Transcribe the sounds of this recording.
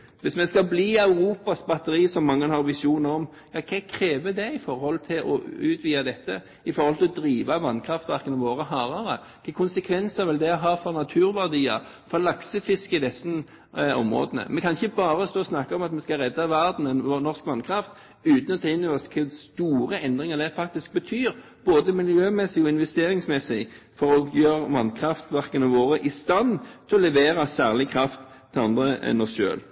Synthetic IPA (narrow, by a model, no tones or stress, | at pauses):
ʋɪsmɛskɑbliːœʉɾuːpɑsbɑt̪əɾiːsɔmːɑŋːənhɑɾʋɪsuːnəɾɔm | jɑːkʰɛkʰɾeːʋəd̪ɛɪfɔɾhɔlt̪ʰɪlʔɔ̰ʉːt̪ʰʋiːɑd̪ɛt̪ːə | ɪfɔɾhɔlt̪ʰɪlɔd̪ɾiːʋɑʋɑnkʰɾɑft̪ʋæʁkənəʋoːɾəɦɑːʁɑɾə | kʰɑːkʰʊnsəkʰʋɛnsæʁʋɪld̪ɛɔɦɑːfɔʁnɑt̪ʰʉːɾʋæʁd̪iːə̰ | fɔɾlɑksəfɪskɪd̪ɛsn | ɔ̰mʁo̰ːd̪ənə̰mɛnkʰɑnɪçəbɑːɾəst̪oːsnɑkːɑɔmɑt̪mɛnskɑʁɛd̪ːɑʋæʁd̪n̩ɛnonɔʁskʋɑnkʰɾɑft̪ | ʉːt̪n̩ɔt̪ʰɑɪnɔʋəskʰɛst̪uːɾəɛnd̪ɾɪŋəd̪ɛfɑk̚t̪ɪsk̚bət̪ʰyːɾ | b̥oːd̪əmɪljøːmɛsɪɔɪnʋɛst̪eːɾɪŋsmɛsɪ | fɔɾɔɡjøːʁʋɑnkʰɾɑft̪ʋæʁkənɑʋoːʁəʔɪst̪ɑnːt̪ʰɪɔlɛʋeːɾɑsæːʁlɪkʰɾɑft̪ʰːɪlɑnd̪ʁəɛ̰nːɔsʃø̰ːl